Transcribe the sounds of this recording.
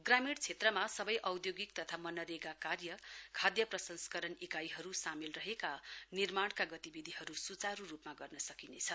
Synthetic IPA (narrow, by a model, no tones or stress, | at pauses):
ɡramiɽt͡sʰet̪rʌmasʌbʌjʔʌwd̪joɡik̚t̪ʌt̪ʰamʌnʌɾeɡakarjʌkʰad̪jʌprʌsʌnskʌɾʌnekajɦʌɾusamilrʌɦekanirmaɳkaɡʌt̪ibid̪ʱiɦʌɾusut͡saɾurupmaɡʌrnʌsʌkinet͡sʰʌ